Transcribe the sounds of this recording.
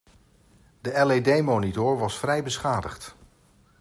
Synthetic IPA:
dəɛledejmonitʊːɹʋɑsfrɛjbəsχaːdəχt

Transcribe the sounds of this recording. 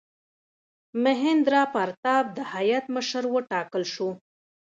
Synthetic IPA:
məɦɪnd̪ɾɑpaɾt̪ɑb̚d̪əhajat̪məʃəɾwəʈɑkəlʃu

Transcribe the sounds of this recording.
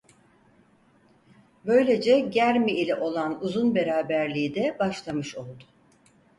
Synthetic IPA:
bø̞jlʲe̞d͡ʒɛɟæɾmiilʲɛʔo̞lˠanuzunbe̞ɾaːbæɾlʲijd̪ɛbaʃlˠamɯʃo̞lˠd̪ʊ̥

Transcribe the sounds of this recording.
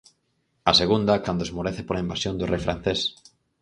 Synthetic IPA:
aseɣ̞und̪akand̪oezmoɾeθepolaimbasjond̪urejfɾan̟θes

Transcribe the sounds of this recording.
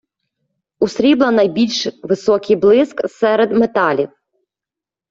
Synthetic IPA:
ʊsɾʲiblˠɐnɐjbʲilʲʃʋɪsɔkʲɪjblˠɪsksɛɾed̪met̪ɑlʲiw

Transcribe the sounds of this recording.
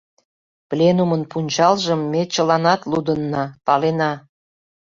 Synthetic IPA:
plʲenumənpunʲt͡ɕɑlʒəmːet͡ɕəlɑnɑt̪lud̪ənːɑpɑlenɑ

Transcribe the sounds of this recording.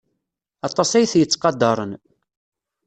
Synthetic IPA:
ɑt̪ˤːɑsæjθjət͡sːqɑd̪ːɑɾˤən

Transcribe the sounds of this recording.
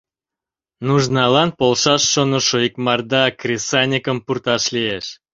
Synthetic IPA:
nuʒnɑlɑnpolˠʃɑʃːonəʃojəkmɑrd̪ɑkrʲisɑnʲikəmpurt̪ɑʃlieʃ

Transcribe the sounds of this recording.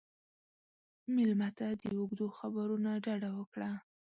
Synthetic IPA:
mɪlmat̪ad̪əʊɡd̪oxabaɾunaɖaɖawəkɽa

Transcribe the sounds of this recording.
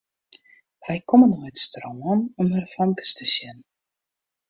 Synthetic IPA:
ʋɛjkʰɔmənojtstroŋənɔmhərfɔŋkə̥stəsjɪn

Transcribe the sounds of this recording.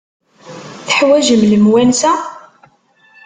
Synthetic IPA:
θəħwæʒəmləmwænsæ

